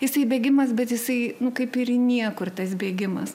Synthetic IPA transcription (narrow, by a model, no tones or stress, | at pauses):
jɪsɐɪbʲeːɡʲɪmɐsbʲɛt̪jɪsɐɪnʊkɐɪpɪrnʲiɛkʊrt̪ɐsbʲeːɡʲɪmɐs